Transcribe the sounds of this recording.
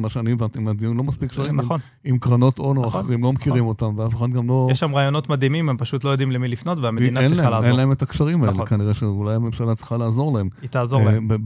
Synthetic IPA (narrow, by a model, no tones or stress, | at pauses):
maʃeanievant̪iimad̪ijunlo̞maspikʃaʁinon | imkʁano̞tonoaχeʁimlomekiʁimo̞tamveafuχad̪ɡamlo̞jeʃamʁaːjo̞notmad̪imimempaʃutlo̞jo̞d̪imlemilifno̞tveameiinaenlaalaennlaemetakʃaʁimaelekaniʁeʃeulajamemʃalatt͡sliχalaːzo̞ʁlaemit̪aːzobe